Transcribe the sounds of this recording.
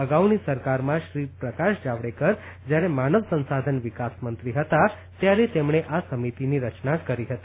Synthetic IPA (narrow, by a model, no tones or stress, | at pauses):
əɡaʋnisəɾkaɾmãʃɾipɾəkaʃd͡ʒaʋɽekəɾ | d͡ʒjaɾemanəʋsə̃nsad̪ʱənʋɪkasmənt̪ɾiɦət̪a | t̪jaɾet̪emɳeʔasəmit̪iniɾət͡ʃnakəɾiɦət̪i